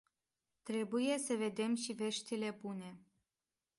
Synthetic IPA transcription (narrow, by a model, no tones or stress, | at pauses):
t̪ɾe̞buje̞səve̞d̪e̞mʃive̞ʃt̪ile̞bune̞